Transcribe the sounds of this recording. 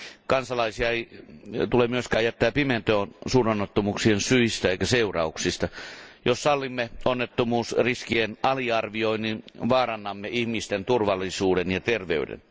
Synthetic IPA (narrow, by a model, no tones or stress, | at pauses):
kɑnsɑlɑisiɑeit̪ulemyøskæːjæt̪ːæːpiment̪oːnsuːnonːet̪ːomuːksiensyist̪æeikæseurɑ̰uksist̪ɑjossɑlːimːeonːet̪ːomuːsriskienʔɑliɑrʋioinninʋɑːrɑnːɑmːeihmist̪ent̪urʋɑlːˑisuːdenjɑt̪erʋeydḛn